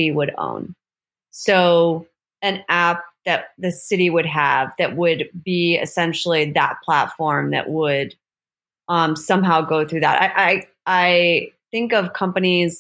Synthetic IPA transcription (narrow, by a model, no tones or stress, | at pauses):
iwəɾõ̰ʊ̃n | soʊ | ɨ̃næp̚ðɨt̪̚ðɨsɪɾiwɨd̚əvðɨʔ̚wədbiɨ̰sɛ̃nʃl̩ˠiðə̰t̚pʰl̥ætfɔɹmðɨ̰ʔwʔəd | ʌ̃msʌ̃mɦaʊɡoʊθɹʉðə̰ɾa̰ɪʔaɪ | aɪθɪ̃ŋkʌv̥kʰʌ̃mpɨniz̥